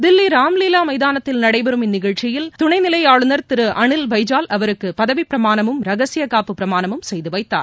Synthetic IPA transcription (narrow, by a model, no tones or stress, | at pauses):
d̪ɪlːiɾaːmliːlaːmɐjðaːnɐt̪ːɪlnɐɽɐɪbɐɾɯmɪnːɪɣɐɻt͡ʃɪjɪlt̪ʊɳɐɪnɪlɐɪaːɻɯnɐɾt̪ɪɾɯʔɐɳɪlʋɐɪd͡ʒaːlʔɐʋɐɾɯkːɯpɐðɐʋipɪɾɐmaːnɐmɯmɾɐɣɐsɪjɐkaːpːɯpɪɾɐmaːnɐmɯmsɛjðɯʋɐɪt̪ːa̰ːɾ